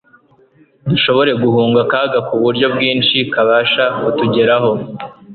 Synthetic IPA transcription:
duʃo̞βo̞ɾe̞ɡuhuːŋɡakaːɡakuβuɾɟo̞b̚ɡiːnʃikaβaʃakutuɟe̞ɾaɦo̞

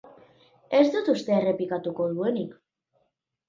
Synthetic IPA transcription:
e̞zd̪ut̪ust̪eere̞plikat̪uko̞ðue̞nik

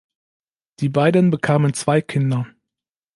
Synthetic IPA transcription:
d̥iːbaɪdənbəkʰaːmənt͡sv̥aɪkʰɪndɐ

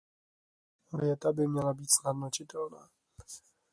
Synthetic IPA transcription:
vjɛt̪abɪmɲɛlabiːt̪snad̪nocɪt̪ɛlnaː

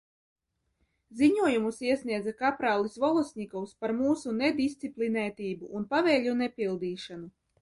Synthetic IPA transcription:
ziɲuɔjumusiɛsniɛd̪zakapɾaːlˠisvɔlˠɔsʲnʲikɔwspaɾmuːsuned̪ʲist̪siplʲinɛːt̪ʲiːbuʔːnpavɛːlʲunepʲilˠd̪iːʃanu

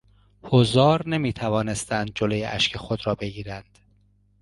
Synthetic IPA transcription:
hozɒːɾne̞miːt̪ʰævɒːne̞st̪ænd̪̚d͡ʒolojeʔæ̰ʃkʰexod̪ɾɒːbe̞ɡiːɾænd̪̥

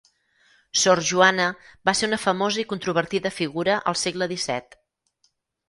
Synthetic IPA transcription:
sɔɾʒuanəbaseunəfəmozəikunt̪ɾuβ̞əɾt̪iðəfiɣuɾəʔə̰lˠseɡləðisɛ̰t̪

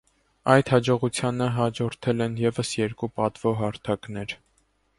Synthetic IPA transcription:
ɑjt̪hɑd͡ʒɔʁut͡sʰjɑnəɦɑd͡ʒɔɾt̪ʰɛlɛnjɛvəsjɛɾkupɑt̪v̥ɔɦɑɾt̪ʰɑknɛɾ

